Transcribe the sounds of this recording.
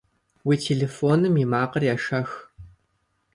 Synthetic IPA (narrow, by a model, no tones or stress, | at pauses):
wiːtʰeːɮeːfoːnɨmjimaːqɐrjaːʃɐx